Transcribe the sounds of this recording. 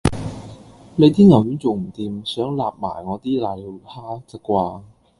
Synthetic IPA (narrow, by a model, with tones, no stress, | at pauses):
le˨˧jt̪ʰiː˥nŋɐ˨˩wjyː˨˥nt͡so˨˩wm̩˨˩t̪iː˨˧msœː˨˥ŋlaː˨˩p̚ma̰ː˨˩jŋɔː˨˧t̪iː˥laː˨˧jle˨˧whʰaː˥t͡sɐ˨˩kʷːwaː˧